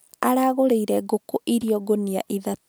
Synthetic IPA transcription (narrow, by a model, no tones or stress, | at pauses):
aɾaɣoɾeiɾɛɡokoʔiɾiɔɡonia̰ʔiðat